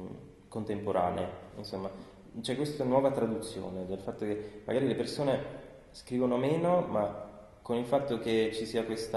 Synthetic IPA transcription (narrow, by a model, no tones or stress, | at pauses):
kont̪empoɾʔaːnḛeḭnsomːa | t͡ʃɛkːwest̪anwɔːvat̪ɾad̪ut̪sːjo̰ːned̪elfat̪ːokemːa̰ɡaːɾilepersoːne | skɾiːvonomeːnoma | konilfat̪ːoket͡ʃisiːakwest̪